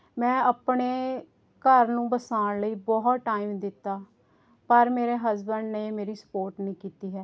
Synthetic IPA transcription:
mɛ̃ːəpɳeː | kəɾnũːbəsaːnləiːbɔːɦt̪ʈaːiːmd̪ɪt̪ːaː | pəɾmeːɾeːɦəzbəɳɖneːmeːɾiːsə̥poːɾʈnĩːkiːt̪iːɦɛː

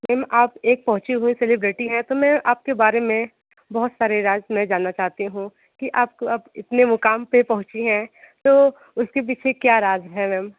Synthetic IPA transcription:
mɛːmʔaːpeːk̚pɐɦʊ̃t͡ʃiɦuĩselɪbɾɪʈiɦɛ̃t̪omɛ̃ʔaːp̚kebaːɾemẽ | bɐɦʊt̪saːɾeɾaːzmɛ̃d͡ʒaːnːat͡ʃaːɦt̪iɦũ | kiʔaːp̚koɐbɪt̪nemʊkaːmpepɐɦʊ̃t͡ʃiɦɛ̃ː | t̪oː | ʊskep̬iːt͡ʃʰekjaːɾaːzɦɛmɛːm

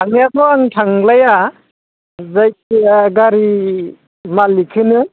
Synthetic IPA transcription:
aŋjakʰɔaŋtʰaŋlaja | zajɡaɾi | malikʰɯnɯ

